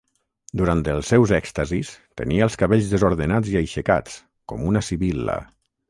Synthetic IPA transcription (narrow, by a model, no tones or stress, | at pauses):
d̪uɾant̪əlˠsːɛwzɛkst̪əzist̪ə̰niəːlˠskaβeʎzðəzoɾðənad͡ziajʃəka̰t͡s | kɔmunəsiβilə̰